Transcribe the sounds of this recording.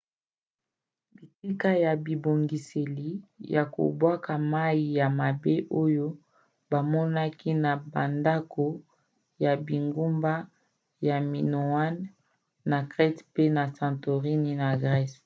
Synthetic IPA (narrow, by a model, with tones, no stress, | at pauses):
bi˨si˦ka˦ja˨bi˨bo˨ŋɡi˨se˨li˨ja˨ko̰˨bwa˦ka˨ma˦i˨ja˨ma˨be˦ʔo˦jo˦ | ba˨mɔ˦na˦ki˦na˨ba˨nda˦kʰo˨ | ja˨bi˨ŋɡu˦mba˦ | ja˨mi˨no˨a˦nː | a˨kʁɛ˦tpe˦na˨sã˨nto˨ʁi˦ni˦na˨ɡʁɛ˦s